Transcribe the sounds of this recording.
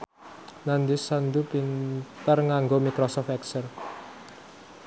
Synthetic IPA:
nand̪isand̪upint̪ərŋaŋɡomikɾɔsɔfɛksər

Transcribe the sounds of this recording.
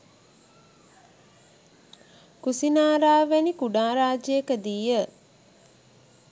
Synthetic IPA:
kusinaːɾaːʋenikuɖãːɾaːd͡ʒəjekəd̪iːjə

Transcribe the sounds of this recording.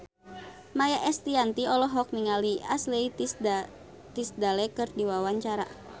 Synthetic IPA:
majaʔɛst̪iant̪iɔlɔɦɔk̚niŋaliʔaslei | t̪isd̪alɛkɨrdiwawaɲt͡ʃaɾa̰

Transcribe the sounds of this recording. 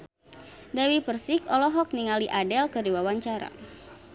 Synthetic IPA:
dawipərsikɔlɔɦɔk̚niŋaliʔadɛlkɨrdiwawaɲt͡ʃaɾa̰

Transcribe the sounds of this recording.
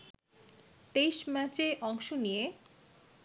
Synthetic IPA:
t̪ejʃmɛt͡ɕeʔɔŋʃonije

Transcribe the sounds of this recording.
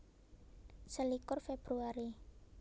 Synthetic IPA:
səlikʊrfeb̥ɾuaɾi

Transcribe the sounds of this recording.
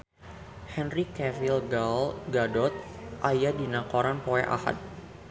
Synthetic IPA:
hɛnrikɛvilɡalɡadɔt̪̚ʔajadinakɔɾanpoɛʔa̰ha̰t̪̚

